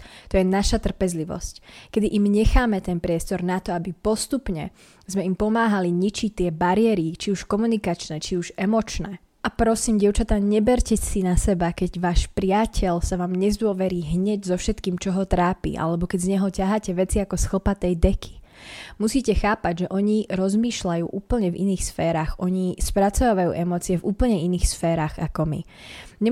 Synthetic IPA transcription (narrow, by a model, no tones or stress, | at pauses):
t̪ɔjɛnaʃat̪r̩pɛzliʋɔ̰sckɛd̪iʔimɲɛxaːmɛt̪ɛnpɾɪɛst̪ɔɾnat̪ɔabipɔst̪upɲɛ | zmɛimpɔmaːɦaliɲit͡ʃict̪ɪɛbaɾɪɛɾit͡ʃiuʃkɔmunikat͡ʃnɛːt͡ʃiuʒɛmɔt͡ʃnɛː | ʔapɾɔsiːmɟɪɛʊt͡ʃat̪aɲɛbɛɾcɛsinasɛbakɛɟʋaːʃpɾɪacʰɛʎsaʋaːmɲɛzd̪ʊɔʋɛɾiːɦɲɛɟzɔfʃɛt̪kiːmt͡ʃɔɦɔt̪ɾaːpḭːʔa̰lɛbɔkɛɟzɲɛɦɔcaɦaːcɛʋɛt͡siakɔsxl̩pat̪ɛjd̪ɛkʰi̥musiːcɛxaːpaɟʒɛʔɔɲiɾɔzmiːʃlajṵːʔuːpl̩ɲɛvḭniːxsfɛːɾaːxɔɲispɾat͡sɔʋaʋajṵːʔɛmɔːt͡siɛvuːpl̩ɲɛiniːxsfɛːɾaːɣakɔmḭ | ɲɛ